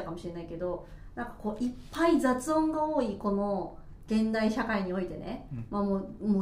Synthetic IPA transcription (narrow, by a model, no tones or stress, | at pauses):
akamo̞ɕiɾe̞naike̞d̪o̞ | nãŋkḁko̞ːʔipʰːaid͡zat͡sɨõ̞ŋɡao̞ːiko̞no̞ | ɡ̥ẽ̞nd̪aiɕakaiɲ̟io̞it̪e̞̰nḛmamoːmo